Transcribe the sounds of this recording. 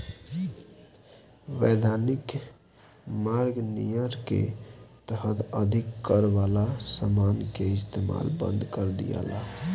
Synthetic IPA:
ʋed̪ʱanik | maɾɡnḭjəɾkḛt̪əɦət̪əd̪ʱikːəɾbalasəmankeɪst̪ema̰lbə̰̃nd̪ʱkəɾd̪ḭja̰la̰

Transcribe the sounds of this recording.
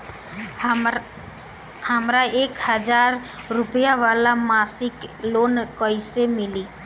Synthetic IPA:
həmɾaeːkhəd͡ʒaːɾ | ɾʊpjaʋaːlamaːsɪkloːnkəɪsemɪliː

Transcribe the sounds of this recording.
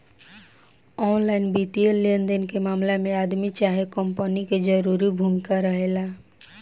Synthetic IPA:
ɔnlaɪnbit̪ielːend̪enkemamlamead̪mit͡ʃaɦekəmpəniked͡ʒəɾuɾibʱumikaɾəɦela

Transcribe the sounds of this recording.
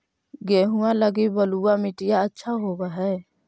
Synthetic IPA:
ɡɛɦũaləɡibəluamiʈijaətːʃʰaɦɔbaɦɛ

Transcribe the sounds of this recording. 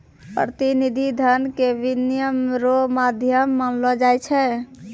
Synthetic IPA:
pɾət̪inid̪ʱid̪ʱənkebinjəmɾomad̪ʱjəmːənlɔd͡ʒajt͡ʃʰɛ

